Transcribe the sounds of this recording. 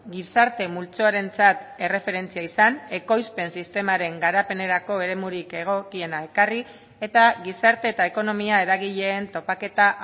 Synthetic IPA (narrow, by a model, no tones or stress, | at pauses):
ɡisaɾt̪e̞mult͡soaɾe̞nt͡sat̪e̞re̞fe̞ɾe̞nt͡siaisane̞ko̞jspe̞nsist̪e̞maɾe̞ŋɡaɾape̞ne̞ɾako̞e̞ɾe̞muɾike̞ɣ̞o̞kie̞nae̞kari | e̞t̪aɣisaɾt̪e̞ːt̪aeko̞no̞miae̞ɾaɣiʎe̞ːnt̪o̞pake̞t̪a